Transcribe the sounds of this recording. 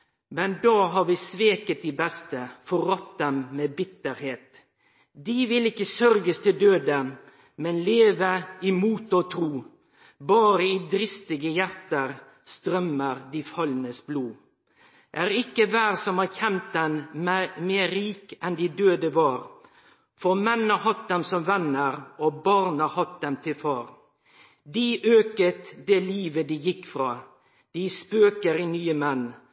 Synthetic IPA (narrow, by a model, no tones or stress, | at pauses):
mɛnd̪ɑːɦɑɾʋɪsʋeːkət̪̚d̪iːbɛst̪əfɔɾɑt̪̚d̪ɛmmeːbɪt̪ːəɾheːt̪ | d̪ɪʋɪlɪkːəsœɾɡəst̪ʰɪld̪øːd̪ə | mɛnleːʋəɪmuːt̪oːt̪ʰɾuː | bɑːɾəid̪ɾɪst̪ɪɡəjæɾt̪əɾ | st̪ɾœməɾd̪ɪːfɑlnəsbluː | ʔæːʁɪkːəʋæːʁsɔmhɑːçɛnt̪̚d̪ɛnmeːɾiːkɛnd̪ɪd̪øːd̪əʋɑːɾ | fɔʁmɛnːɑhɑt̪̚d̪ɛmsɔmʋɛnːəɾobɑʁnɑhɑt̪̚d̪ɛmt̪ʰɪlfɑːɾ | d̪iʔøːkət̪d̪eːliːʋəd̪ijɪkfʁɑː | d̪̥ɪspøːkəɾɪnyːəmɛn